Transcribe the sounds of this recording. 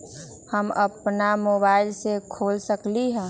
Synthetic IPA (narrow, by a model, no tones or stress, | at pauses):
həmə̰pnamoːbaːɪlsekʰoːlsəkliɦɛ̃ː